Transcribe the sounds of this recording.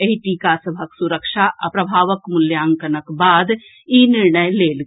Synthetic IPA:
eɦiʈiːkaːsɐbʱəksuɾəkʃaʔɐ̰pɾɐbʱaːʋəkmʊljaːŋkɐnɐkbaːd̪ | inɪɾɳəjleːl

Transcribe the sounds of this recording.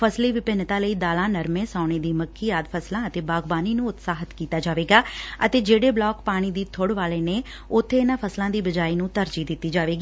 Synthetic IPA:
pʰəsliːʋɪpɪnt̪ãːləiːd̪aːlãːnəɾmẽːsaːʊɳ̃eːd̪iːməkʰːiːaːd̪pʰəslãːət̪eːbaːɡbaːniːnũːʊt̪saːɦət̪kiːt̪aːd͡ʒaːʋeːɡaːət̪eːd͡ʒeːɽeːblɔːkpaːɽ̃iːd̪iːt̪ʰʊɽʋaːleːneː | ʊt̪ʰːeːɪnãːpʰəslãːd̪iːbəd͡ʒaːiːnũːt̪əɾd͡ʒiːd̪ɪt̪ːiːd͡ʒaːʋeːɡiː

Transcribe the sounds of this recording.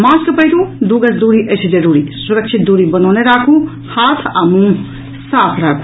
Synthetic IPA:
mãːskəpəɦiɾũd̪uɡəsd̪uːɾiʔəsʰid͡ʒɐɾuːɾisuɾəkt͡ʃʰit̪̚d̪uːɾibənɔːneɾaːkʰũ | haːt̪ʰamũ | saːpʰɾaːkʰu̥

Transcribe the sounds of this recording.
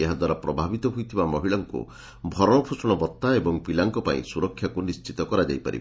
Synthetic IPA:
eɦad̪waɾapɾɔbʱabit̪ɔɦujt̪ʰibamɔɦiɭaŋkṵ | bʱɔɾɔɽɔpʰusɔɽ̃ɔbɔt̪ːaebɔŋpilaŋkɔpaḭ̃suɾɔkʰːjakunist͡ʃit̪ɔkɔɾad͡ʒa̰jpa̰ɾḭb

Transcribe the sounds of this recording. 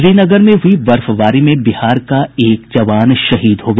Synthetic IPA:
ɾiːnɐɡəɾmẽɦʊiʋɐɾfʋaːɾimẽbɪhaːɾkaeːkd͡ʒɐʋaːnʃɐɦiːd̪ɦoːɡɐ

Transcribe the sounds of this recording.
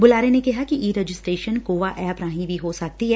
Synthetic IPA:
bʊlaːɾenekɪɦakiʔiːɾed͡ʒɪsʈɾeːʃənkoːʋaʔɛːpɾãːɦĩbʱiɦosɐk̚t̪iɦɛː

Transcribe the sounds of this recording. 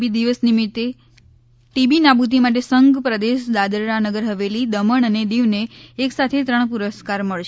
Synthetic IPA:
bid̪iʋəsnimit̪ːe | ʈibinabut̪̬imaʈ̬esəŋɡpɾəd̪eʃd̪ad̪əɾɾanəɡəɾɦəʋelid̪əməɳ̃əned̪iʋneːksat̪ʰet̪ɾəɳ̃puɾəskaɾməɭʃ

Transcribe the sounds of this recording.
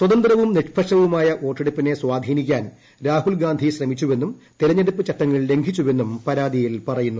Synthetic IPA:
swɐd̪ɐnd̪ɾɐʋumniʂpʰɐʂɐʋumaːjɐʔo̞ːʈːeɽupːine̞swaːd̪ʱiːnikʲːaːn | ɾaːhuɭɡaːnd̪ʱiɕrɐmit͡ɕːuʋe̞nːumt̪iɾɐɲːeɽupːɨt͡ɕɐʈːɐŋːɐɭle̞ŋɡʱit͡ɕːuʋe̞nːumpɐɾaːd̪ijilpɐrɐjunːu

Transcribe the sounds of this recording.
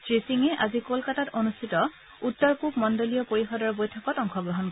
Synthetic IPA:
sɹisiŋɛʔazikolkatatonustʰitɔ | utːɔɹkupmɔndolijɔpoɹixɔdɔɹbojtʰɔkɔtɔŋxɔɡɹɔɦɔn

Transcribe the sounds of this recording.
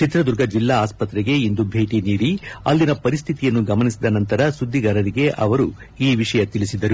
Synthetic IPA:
t͡ʃit̪ɾɐd̪uɾɡɐd͡ʒilːaaːspɐt̪ɾɛɡe̞ind̪ubʱe̞ːʈiniːɽiɐ̰lːinɐpɐɾist̪ʰit̪ijɐnːuɡɐmɐnisid̪ɐnɐnt̪ɐɾɐsud̪ʱːiɡɐɾɐɾiɡe̞ʔɐ̰ʋɐɾu | iːʋiʂɐjɐt̪ilisid̪ːɐɾu

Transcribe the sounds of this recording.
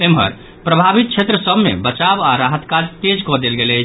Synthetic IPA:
emɦə̰ɾ | pɾəbʱabit̪̚t͡ʃʰet̪ɾəsəbmḛbət͡ʃabaɾaɦət̪kad͡ʒt̪ed͡ʒkɔd̪elɡelət͡ʃʰ

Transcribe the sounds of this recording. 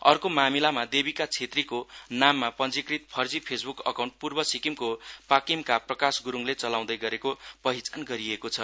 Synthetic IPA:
ʌrkomamilamad̪ebikat͡sʰet̪rikonamːapʌnd͡zikrit̪̚pʰʌrd͡zipʰesbukʌ̰kaw̃ɳʈ̚purbʌsikimkopakimkaprʌkasɡuɾuŋlet͡sʌlaw̃d̪ʌjɡʌɾekopʌɦit͡sanɡʌɾiekot͡sʰʌ

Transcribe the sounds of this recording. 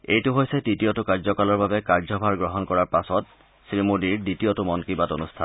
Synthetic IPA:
ejtʊɦojsɛditijotʊkaɹzɔkalɔɹbabɛkaɹzɔbʱaɹɡɹɔɦɔnkɔɹaɹpasɔt̚ | sɹimudiɹditijotʊmɔnkɹibatonustʰa̰n

